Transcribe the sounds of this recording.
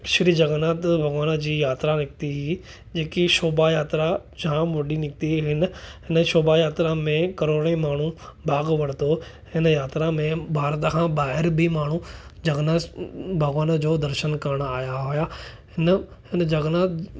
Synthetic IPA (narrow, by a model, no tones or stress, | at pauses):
ʃɪɾid͡ʑɐɡnaːt̪bʱɐɡʋaːnd͡ʑiːjaːt̪ɾanɪk̚t̪iɦi | d͡ʑeːkiʃoːbajaːt̪ɾa | d͡ʑãːʋɐɗinɪkt̪iɦɪnɦɪnəʃoːbajaːt̪ɾamẽkɐɾoːɽ̃imaːɳ̤ũbʱaːɡʋɐɽ̃t̪o | hɪnəjaːt̪ɾamẽbʱaːɾt̪kʰãbaːɦɪɾbʱimaːɳ̤ũd͡ʑɐɡnabʱɐɡʋaːnd͡ʑoːd̪ɐɾʃənkɐɾəɽ̃aːjaɦʊjaɦɪnhɪnd͡ʑɐɡnaː